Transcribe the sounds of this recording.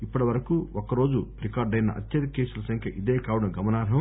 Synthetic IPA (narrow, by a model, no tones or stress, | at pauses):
ipːɐʈɐʋɐɾɐkuokɐɾo̞ːd͡ʒuɾikaːɾɖɐjnɐ̰ʔɐ̰t̪jɐd̪ikeːsulɐsɐŋkʰjɐʔid̪eːkaːʋɐɽɐnɡɐmɐnaːɾɦɐm